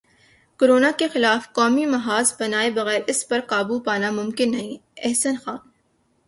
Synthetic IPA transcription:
koɾoːnakexɪlaːfkɔːmimɐɦaːzbɐnaːebɐɣɛːɾɪspɐɾqaːbupaːnamʊ̃mkɪnːɐɦĩɛɦsənxaːn

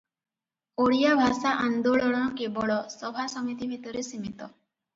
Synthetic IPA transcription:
oɽijabʱasaʔand̪oɭɔɭɔɽ̃ɔkebɔɭɔsɔbʱasɔmit̪ibʱit̪ɔɾesimit̪ɔ

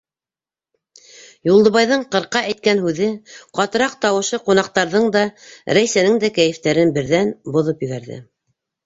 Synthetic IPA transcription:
julˠd̪ɤ̆βɑjðɤɴqɤ̆ɾqɑʔæjt̪̚kænɦʉðɘqɑt̪ɤ̆ɾɑq̚t̪ɑwɤ̆ʃɤqunɑq̚t̪ɑɾðɤɴd̪ɑɾæjsænɘŋd̪ækæjɘ̆ft̪æɾɘnbɘ̆ɾðænbŏðɤpjɵ̆ɡæɾðɘ̰

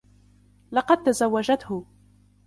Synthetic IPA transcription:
lɑqɑd̪̚t̪azawːad͡ʒat̪hʊ

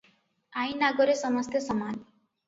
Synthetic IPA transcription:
aĩnaɡoɾesʌməst̪jʌsəman

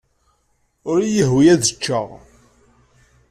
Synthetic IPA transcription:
ʊɾjəɦwijæðət͡ʃːəʁ

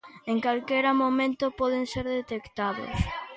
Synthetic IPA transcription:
eŋkalkɛɾamomẽnt̪ʊpɔðeŋseɾðet̪ekt̪aðʊ̰s

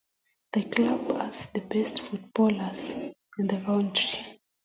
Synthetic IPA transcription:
ðəklabazðəbɛstfut̚b̥ɔlazĩndəkãwntɹi

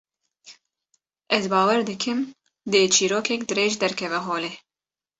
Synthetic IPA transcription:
ʔɛzbɑːwɛɾd̪ɨkʰɨm | d̪ɨt͡ʃʰiːɾoːkʰɛkd̪ɨɾeːʒd̪ɛɾkʰɛvɛɦoːleː

